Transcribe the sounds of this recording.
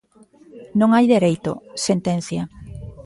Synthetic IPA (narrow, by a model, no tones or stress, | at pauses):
nõŋajðeɾejt̪o̰sent̪ẽnθjɐ